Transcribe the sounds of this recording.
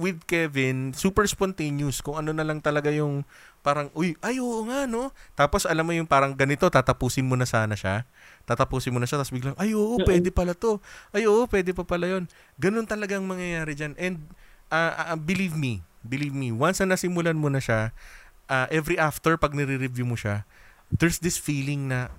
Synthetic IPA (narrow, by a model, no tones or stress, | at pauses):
wɪd̪̚kɛvɪnsuːpɛɹspont̪ejnʊskʊŋɐno̞nɐlɐŋt̪ɐlɐɡajʊŋ | paːɾɐŋʔojʔɐjʔoːʔoŋaʔno̞t̪aːpo̞sʔɐlamːojʊŋpaːɾɐŋɡɐnɪt̪o̞t̪aːt̪ɐpuːsɪnmonɐsaːnɐʃa | t̪aːt̪ɐpuːsɪnmonɐʃat̪ɐsbɪɡlaŋʔɐjʔoːʔopwɛd̪ɛpɐlat̪o̞ʔɐjoːʔopwɛːd̪ɛpɐpɐlajo̞n | ɡɐno̞nt̪ɐlɐɡaŋmɐŋjɐjaːɾɛd͡ʒanʔɛnd̪̚ʔaʔbɪlivmibɪliːvmiwansnɐnɐsɪmʊlanmonɐʃaʔaːʔɛvɾiʔaft̪ɛɹpɐɡ̚nɛɾɪɾɪvjumoʃa | d̪ɛɹsd̪ɪsfiːlɪŋnɐ